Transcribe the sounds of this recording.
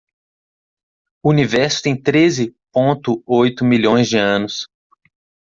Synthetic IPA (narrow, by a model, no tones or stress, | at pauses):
ʊunivɛɾsʊ̥t̪ẽj̃t̪ɾezɪpõnt̪ʊojt̪ʊmilõj̃zd͡ʒɪɐ̃nʊs